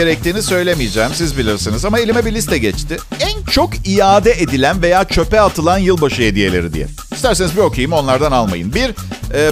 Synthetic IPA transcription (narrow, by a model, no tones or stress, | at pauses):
eɾɛc̚t̪iːnisø̞jlʲe̞mijd͡ʒɛːmsizbilʲiɾsinizamaelʲimɛbilʲist̪ʰɛɟɛt͡ʃt̪ɪænt͡ʃʰo̞kijaːd̪ɛʔed̪ilʲænve̞jaːt͡ʃʰø̞pɛat̪ʰɯlˠanjɯlˠbaʃɯjed̪ije̞lʲe̞̰ɾid̪ḭjɛ̰ | ist̪æɾs̬enizbio̞kʰujɯmo̞nlˠaɾd̪analˠma̰jɯnbiɾ | ɛː